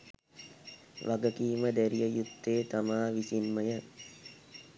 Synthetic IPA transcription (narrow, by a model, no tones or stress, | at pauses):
ʋʔaɡəkiːməd̪æɾijəjut̪ːeːt̪amaːʋisinməjə